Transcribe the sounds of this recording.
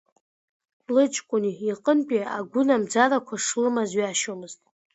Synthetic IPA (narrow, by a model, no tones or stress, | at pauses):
lɨt͡ʃʼkʷʼʊniːqʼənpʼiaɡʷʊnamd͡zarakʷʰaʂlɨmazɥiaʃomɨztʼ